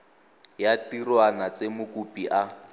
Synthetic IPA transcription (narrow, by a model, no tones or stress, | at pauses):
jatirwanat͡semʊkupiʔa